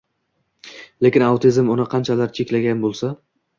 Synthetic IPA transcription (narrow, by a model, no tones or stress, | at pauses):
le̞kʲɪnawt̪ʰɪzmʊnɪqʰɑnt͡ʃʰalaɾt͡ʃʰe̞kʲlaɡʲanbolˠsa